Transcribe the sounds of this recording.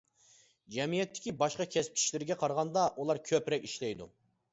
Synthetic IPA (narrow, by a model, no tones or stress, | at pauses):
d͡ʒɛmijɛt̪ʰːɪ̥kʲibɑʃqɑkʲʰɛsp̚t͡ʃ̪ʰi̥ʃlɪɾɪɡʲɛqʰɑɾʁɑnd̪ɑʔulˠɑɾkʲʰøpɾɛkʲiʃlɛjd̪ṵ